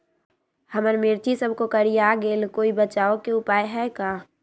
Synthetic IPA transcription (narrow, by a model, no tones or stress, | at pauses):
həməɾmɪɾt̪ʰisəbʱkokəɾijaːɡeːlkoːibət͡ʃaːokeʊpaːjɦɛkaː